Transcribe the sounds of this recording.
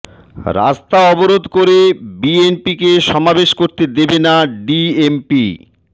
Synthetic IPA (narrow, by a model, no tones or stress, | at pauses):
ɾa̰st̪aɔboɾod̪koɾebienpikeʃɔmabeʃkoɾt̪ed̪ebenaɖiempi